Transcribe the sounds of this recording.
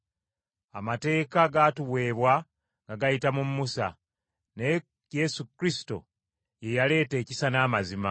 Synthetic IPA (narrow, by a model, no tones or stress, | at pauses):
amate̞ːkaɡatuwe̞ːβwa | ŋɡaɡajitamumːusa̰ | ne | je̞sukɾisi̥to̰ | je̞jale̞ːte̞ːcisanaːmazima̰